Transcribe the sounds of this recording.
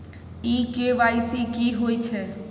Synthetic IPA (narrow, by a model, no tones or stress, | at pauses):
iːkeʋaːjsikiɦoit͡ʃʰe